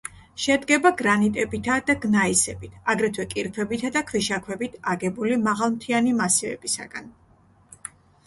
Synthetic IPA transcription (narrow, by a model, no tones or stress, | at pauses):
ʃɛd̪ɡɛbaɡɾanit̪ʼɛbit̪ʰad̪aɡnaisɛbit̪ʰaɡɾɛt̪ʰwɛkʼiɾpʰɛbit̪ʰad̪akʰwiʃakʰwɛbit̪ʰaɡɛbulimaʁalˠmt̪ʰianimasivɛ̰bisa̰ɡ̥a̰n